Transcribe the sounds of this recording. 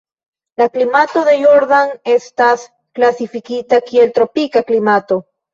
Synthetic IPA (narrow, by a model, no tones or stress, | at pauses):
laklimat̪o̞ðe̞joɾðanest̪as | klasifikit̪akie̞lt̪ɾo̞pikaklimat̪o̞